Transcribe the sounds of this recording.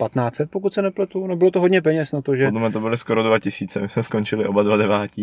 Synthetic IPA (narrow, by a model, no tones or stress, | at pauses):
pat̪naːt͡sɛt̪̚pokut̪sɛnɛplɛt̪unɛbɪlot̪oɦodɲɛpɛɲɛsnat̪oʒɛodlɛmɲɛt̪obɪlɪskoɾodvacɪsiːt͡sɛmɪsmɛskont͡ʃɪlɪʔobadvadɛvaːci